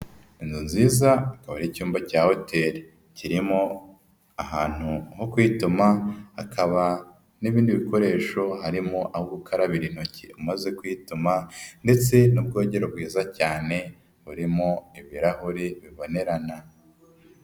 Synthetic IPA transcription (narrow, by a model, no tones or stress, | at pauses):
inzunziːzaːkaβaɾicuːmbacaːho̞tʰe̞ɾi | ciɾimo̞ | aɦaːn̥huho̞kwitumaakʰaβa | niβiːndiβiko̞ɾe̞ːʃo̞haɾimoʔahoɡukʰaɾaβiɾin̥hocḭumaze̞kwitumande̞t͡se̞nub̚ɡo̞ːɟe̞ɾob̚ɡwiːzacaːne̞ | βuɾimo̞iβiɾahuɾiβiβo̞neɾana